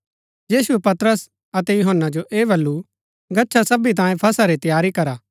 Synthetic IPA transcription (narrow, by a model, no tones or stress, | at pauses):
jiːsuepɐt̪ɾəs | ɐt̪ɛjʊɦənːad͡ʒoʔeːbʱɐlːu | ɡɐtːʃʰasɐbit̪̬ãːjẽpʰɐsaɾit̪ɐjaːɾikɐɾaː